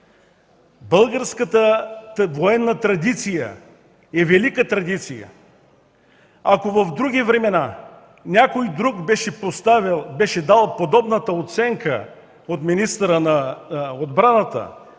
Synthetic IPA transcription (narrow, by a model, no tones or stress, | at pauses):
bəlˠɡəɾskət̪əvoɛnːət̪ɾɐd̪it̪sijə̰ | ɛvɛlikət̪ɾɐd̪it̪sijə̰ | akovɐvd̪ɾuɡ̟ʲivɾɛmɛna | nʲakojd̪ɾukbɛʃɛpost̪avɛbɛʃɛd̪alˠpod̪ɔbnət̪əot̪sɛŋkə̰ | ot̪minist̪əɾənɐod̪bɾanət̪ə̰